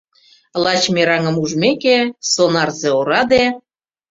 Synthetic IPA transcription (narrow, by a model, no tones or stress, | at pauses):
lɑt͡ɕmeɾɑŋə̆muʒmekesonɑrzeoɾɑd̪e